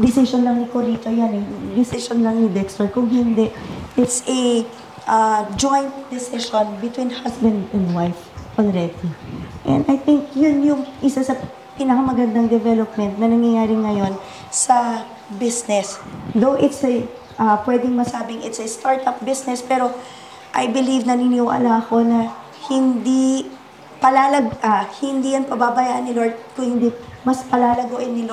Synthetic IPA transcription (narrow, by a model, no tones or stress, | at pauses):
d̪ɪsɪʃonlɐŋnɪkoɾit̪ojanɛd̪ɪsɪʃonlɐŋnɪd̪ɛkst̪oɹkʊŋhɪnd̪ɛʔʔɪt̪sɐ | ʔɐd͡ʒojnt̪̚d̪ɪsɪʃonbɪt̪wĩnhasbɐ̃nd̪ɛ̃nd̪wajf | ʔɔlɹɛd̪iʔɛ̰̃nd̪ɐjθɪŋkjʊnjʊŋʔɪsɐsɐ | piːnɐkɐmɐɡɐnd̪aŋd̪ɛvɛlop̚mɛnt̪̚nɐnɐŋjɐjaːɾɪŋɐjo̞n | sɐ | bisnɛsðowʔɪt̪sɐ | ʔɐpwɛd̪ɪŋmɐsaːbɪŋɪt̪sɐst̪aɹt̪ɐp̚bɪsnɛspɛːɾo̞ | ʔɐjbɪlivnɐninuwʔɐ̰lɐɐko̞nɐ | hɪnd̪i | pɐlaːlɐɡ̚ahɪnd̪iːjɐnpɐbabɐjaːʔɐnːɪloɹt̪̚kʊŋhɪnd̪imɐspɐlaːlɐɡoʔɪnːɪlo